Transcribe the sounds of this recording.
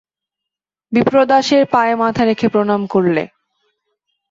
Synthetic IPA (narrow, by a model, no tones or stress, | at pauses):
bipɾod̪aʃeɾpaemat̪ʰaɾekʰepɾonamkoɾlḛ